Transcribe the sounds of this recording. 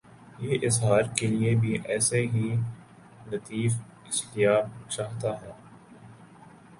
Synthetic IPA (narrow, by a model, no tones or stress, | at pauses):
jeːʔɪzɦaːɾkeliebʱiʔɛːseɦi | lɐt̪iːf | ɪst̪ɪjaːt͡ʃaːɦt̪aɦɛː